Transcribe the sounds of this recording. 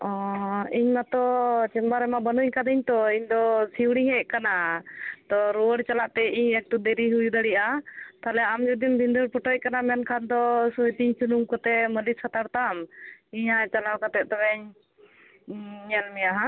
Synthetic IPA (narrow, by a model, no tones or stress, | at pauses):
ɔiɲmat̪ɔt͡ʃɛmbaɾɛmabənuɲkad̪iɲt̪ɔiɲd̪ɔsiwɽ̃iɲhɛʔkanat̪ɔɾuəɽt͡ʃalaʔt̪ɛiɲɛk̚ʈud̪ɛɾiɦujud̪aɽiʔat̪alɛamd͡ʒud̪imbʱind̪uɾpɔʈɔc̚kanamɛnkʰand̪ɔsut̪iɲt͡ʃunuŋkɔt̪ɛməliskʰat̪aɾt̪amiɲat͡ʃalawkat̪ɛʔ̚t̪ɔbɛɲ | ɲɛlmɛjaɦa